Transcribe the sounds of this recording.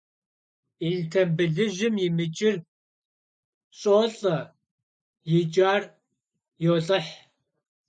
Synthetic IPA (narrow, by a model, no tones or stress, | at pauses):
iɮtʰɐbɨɮɨʒɪmjɪmɨt͡ʃʼɪr | ɕʼoːɬʼɐ | jɪt͡ʃʼaːr | joːɬʼɨħ